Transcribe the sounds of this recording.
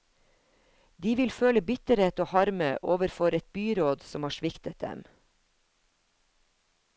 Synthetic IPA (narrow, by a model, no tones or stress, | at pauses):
d̪iːʋɪlføːləbʏt̪əɾɛt̪oːhɑɾməʔoːʋəɾfɔɾɛt̪̚byːɾoːd̪sɔmhɑːʃʋɪkt̪ət̪̚d̪ɛ̰m